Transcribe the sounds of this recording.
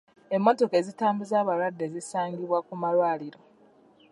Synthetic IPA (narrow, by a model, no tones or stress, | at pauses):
e̞mːo̞to̞ke̞zitaːmbuzaːβaɾwadːe̞zisaːŋɡiβwakumalwaːliɾo̞